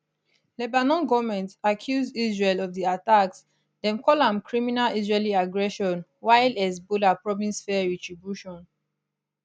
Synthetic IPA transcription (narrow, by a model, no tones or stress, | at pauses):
lɛbanɔ̃nɡɔvmɛ̃ntakʰjuzdizɹɛlɔvðiataks | dɛ̃mkʰɔlãmkʰɹiminalizɹɛliaɡɹɛʃɔ̃nwaɪlɛzbulapɹɔvĩnsfɛɹɛtɹibjuʃɔ̃n